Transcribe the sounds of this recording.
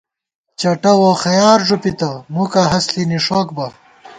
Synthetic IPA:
t͡ɕɐʈɐwoxɐjaːɾʐupit̪ɐmukɐɦɐsliniʂoːk̚bɐ

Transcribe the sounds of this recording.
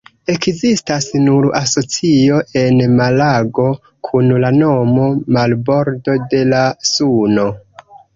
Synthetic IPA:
e̞kzistasnuɾaso̞t͡sio̞ʔe̞nmalaɡo̞ | kʰunlano̞mo̞malbo̞ɾdo̞de̞lasuno̞

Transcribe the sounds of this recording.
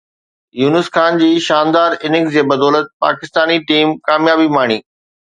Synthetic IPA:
juːnəsxaːnd͡ʑiːʃaːnd̪aːɾɪnɪkd͡ʑeːbɐd̪ɔːlət̪̚pa̰ːkɪst̪aːniʈiːmkaːmjaːbimaːɳ̃iː

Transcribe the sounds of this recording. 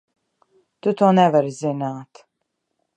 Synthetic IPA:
t̪ut̪uːnɛvaɾizinaːt̪

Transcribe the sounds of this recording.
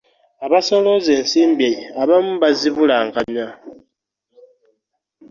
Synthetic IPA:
aβaso̞lozeːnsiːmbeaβamuβaziβulaŋkaɲa

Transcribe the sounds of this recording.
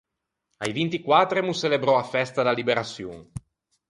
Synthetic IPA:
ajvint̪ikwat̪ːɾemuselebɾɔafɛst̪ad̪alibeɾasjṵːŋ

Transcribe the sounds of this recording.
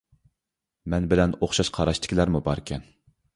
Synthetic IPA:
mɛnbɪlɛnoχʃɑʃqʰɑɾɑʃt̪ʰɪ̥kʲilæɾmubɑɾkʲʰɛn

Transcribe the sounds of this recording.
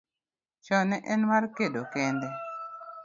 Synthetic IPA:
t͡ʃɔnɛʔɛnmarkedokɛndɛ

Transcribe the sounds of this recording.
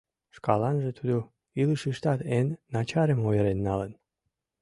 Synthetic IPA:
ʃkɑlɑnʒet̪ud̪o | ilɨʃiʃt̪ɑt̪enːɑt͡ɕɑɾəmojəɾenːɑlən

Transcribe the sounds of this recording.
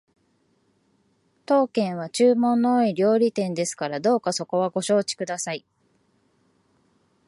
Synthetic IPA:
t̪o̞ːkẽ̞ɰ̃β̞at͡ɕɨːmõ̞nːoːiɾʲo̞ːɾʲit̪ẽ̞nd̪e̞sɨ̥kaɾad̪o̞ːkaso̞ko̞βaɡo̞ɕo̞ːt͡ɕi̥kɯ̟d̪asai

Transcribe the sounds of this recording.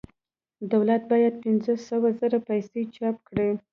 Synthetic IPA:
d̪awlat̪̚bɑjad̪̚pɪnzəsəwazəɾapajset͡ʃɑpkɽe

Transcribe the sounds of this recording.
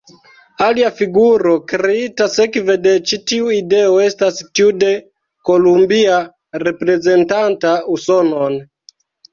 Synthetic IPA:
aliafiɡuɾo̞kɾeitase̞kve̞de̞t͡ʃitiuide̞oe̞stastiude̞ | ko̞lumbia | ɾe̞pɾe̞ze̞ntantauso̞no̞n

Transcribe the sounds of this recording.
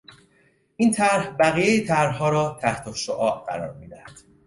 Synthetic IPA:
ʔiːnt̪ʰæɾhbæɣijejet̪ʰæɾɦɒːɾɒːt̪ʰæht̪ʰoʃoʔɒːʔɢæ̰ɾɒ̰ːɾmiːd̪æhæd̪̥

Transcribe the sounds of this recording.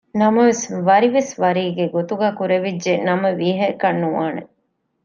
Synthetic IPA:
nɐmɐʋesʋɐɾiʋesʋɐɾiːɡeɡot̪uɡæːkuɾeʋidʒenɐmɐʋiːɦɐkɐnːuʋaːnḛ

